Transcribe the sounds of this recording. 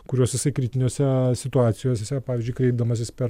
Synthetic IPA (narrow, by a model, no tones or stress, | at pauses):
kʊɾʲoːsʲjʲɪsɐɪkɾʲɪt̪ʲɪnʲoːsʲɛsʲɪt̪ʊɑːt̪sʲɪjoːsʲsʲɛpɑːʋʲɪzʲd͡ʒʲʊɪkɾʲɛɪb̚d̪ɐmɐs̬ʲɪspʲɛɾ